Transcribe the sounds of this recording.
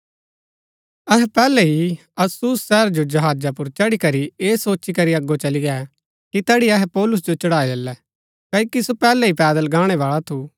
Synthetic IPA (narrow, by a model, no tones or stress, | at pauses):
ɐɦɛpɛːlɛɦi | ɐsusːɛːɾd͡ʒod͡ʒɐɦaːd͡ʒapʊɾt͡ʃɐɽikɐɾieːsoːt͡ʃːikɐɾiɐɡːot͡ʃɐliɡɛːɛ | kit̪ɛːɽiɐɦɛpɔːlʊs̬d͡ʒot͡ʃɐɽaːid̪ɛlːɛ | kɐːiːkisopɛːlɛipɛːd̪əlɡaːɽ̃ɛʋaːɭat̪ʰu